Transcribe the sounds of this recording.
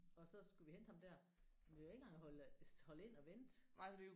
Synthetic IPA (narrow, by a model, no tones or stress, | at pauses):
ɒ̽sɒ̽sɡ̥uʋihend̥hɑ̈md̥æɐ | ʋiʋenɡ̥ɑ̈ŋhɒlshɒ̽le̝n̰ɒ̽ʋend̥nɑɪ̰d̥e